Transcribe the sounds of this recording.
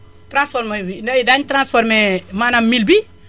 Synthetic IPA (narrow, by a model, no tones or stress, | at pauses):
tɾãsfɔɾmdaidaɲtɾãnsfɔɾmemanammilbi